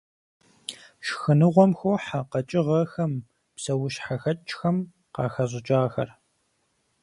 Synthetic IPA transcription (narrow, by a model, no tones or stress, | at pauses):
ʃxɨnɨʁʷɔmxoħaqɐt͡ʃʼɪʁɐxɐm | psɐwʊʃħaxɐt͡ʃʼxɐm | qɑ̰ːxɐʑʷɪt͡ʃʼaːxɐ̰r